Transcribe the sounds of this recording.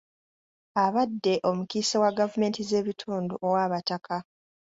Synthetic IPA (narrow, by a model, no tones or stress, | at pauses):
aβadːe̞ʔo̞mukiːsewaɡavume̞ːntize̞ːβitʰuːnduʔowaːβatakʰa